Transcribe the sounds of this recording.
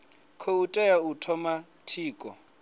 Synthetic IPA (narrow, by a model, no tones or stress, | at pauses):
kʰoutʼɛjautʰɔma | tʰiːkʼɔ̰